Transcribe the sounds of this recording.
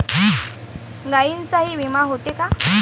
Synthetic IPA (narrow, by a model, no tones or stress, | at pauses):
ɡajint͡saɦiːʋimaɦot̪eka